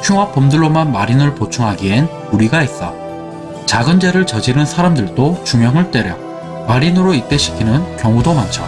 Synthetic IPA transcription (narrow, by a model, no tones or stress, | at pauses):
t͡ɕʰuŋɦap͈omdɯɭːomanmaɾinɯɭpot͡ɕʰuŋɦaɡiɦe̞n | uɾiɡait͈a̰ | t͡ɕaɡɯnd͡ʑe̞ɾɯɭt͡ɕʌd͡ʑinɯnsʰaɾamdɯɭd͈ot͡ɕuŋjʌŋɯɭt͈e̞ɾjʌ | maɾinɯɾoit̚t͈e̞ɕʰi̥kʰinɯnkjʌŋudomant͡ɕʰa